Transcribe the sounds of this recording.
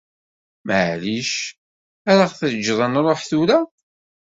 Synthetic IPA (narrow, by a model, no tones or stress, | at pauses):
məʕliʃ | æɾaʁθəd͡ʒːðˤənɾˤoħθuɾæ